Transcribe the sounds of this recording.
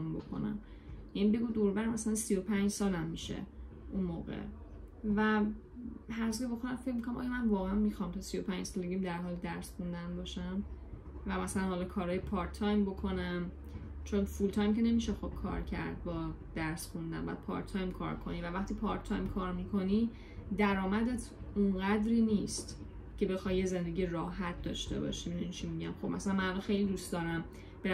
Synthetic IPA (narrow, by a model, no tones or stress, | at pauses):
mbo̞̰kʰo̰næ̰m | jæniːbe̞ɡuːd̪oɾbæɾmæsælænsio̞pʰænd͡ʒsɒːlæmːiʃḛ | ʔunmoːɣḛ | væ | hæɾzieboxonæmfecʰmikʰonæmʔɒ̰jɑmænvɒːɣeænmixɒmt̪ʰɒsijopʰænd͡ʒsɒːleɡemd̪æɾɦɒːld̪æɾsxund̪ænbɒːʃæm | væmæsælænhɒlɒkʰɒːɾɒːjepʰɒɾt̪ʰːɒjmbo̞kʰo̞næm | t͡ʃʰonfult̪ʰɒːjmcʰe̞ne̞miːʃexob̥̚kʰɒ̰ːɾcʰæ̰ɾd̪̚bɒː | d̪̥æɾsxund̪æ̰nbɒ̰jæ̰d̪pʰɒ̰ɾt̪ʰɒjmkʰɒ̰ːɾkʰo̞̰nivævæxt̪iːpʰɒːɾt̪ʰːɒjmkʰɒːɾmikʰo̞ni | d̪æɾɒːmæd̪et̪ʰunɢæd̪ɾiːniːst̪ | cʰe̞be̞xɒːjːe̞zend̪eɟiːjeɾɒːɦæt̪̚d̪ɒ̰ʃt̪e̞̰bɒ̰ːʃimnunit͡ʃʰimiɟæmxob̥mæsælænmænhalɔxe̞jlid̪ust̪d̪ɒːɾæm | b̥e